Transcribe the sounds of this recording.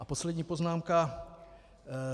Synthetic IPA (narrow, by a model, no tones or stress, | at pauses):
ʔaposlɛdɲiːpoznaːmka